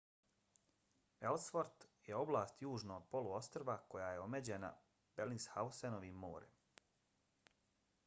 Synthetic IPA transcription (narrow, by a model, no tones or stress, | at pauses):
e̞lsfoɾt̪jeo̞blˠaːst̪juːʒnoːd̪̚po̞luo̞st̪ɾoʋako̞jaːjeo̞med͡ʑena̰ | b̥elinshausenoʋimːo̰ːɾḛm